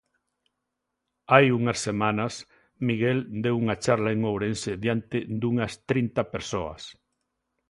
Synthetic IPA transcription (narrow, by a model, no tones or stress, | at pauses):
ajuŋɐsːemãnɐs | miɣeld̪ewuŋat͡ʃaɾlaeŋowɾenseðjant̪ɪd̪uŋɐst̪ɾint̪apeɾsoa̰s